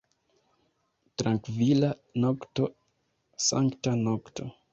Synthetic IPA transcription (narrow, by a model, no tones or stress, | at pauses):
tɾaŋkvilanokto | sa̰ŋktanokto̞